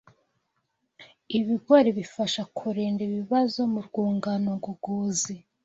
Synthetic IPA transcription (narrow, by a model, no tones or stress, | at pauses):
iβiɡoɾiβifaʃakʰuɾeːndiβiβazo̞muɾɡuːŋɡanoɡuɡuːzi